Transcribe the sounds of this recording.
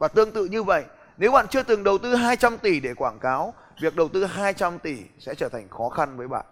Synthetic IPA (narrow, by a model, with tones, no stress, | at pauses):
vaː˨˩t̪ɨ˧əŋt̪ɨ̰˧˨ɲɨ˧və̰˧˨jʔ | ne˨˦wɓa̰ː˧˨nt͡ɕɨ˧ət̪ɨ˨˩ŋɗə˨˩wt̪ɨ˧ɦaː˧jt͡ɕa˧mt̪i˧˩ɗe˧˩kwaː˧˩nkaː˨˦w | vi˨˩ək̚ɗə˨˩wt̪ɨ˧ɦaː˧jt͡ɕa˧mt̪i˧˩sɛ̰˧˥t͡ɕəː˧˩t̪ʰa˨˩ŋ̟xɔ˨˦xa˧nvəː˨˦jɓa̰ː˧˨nʔ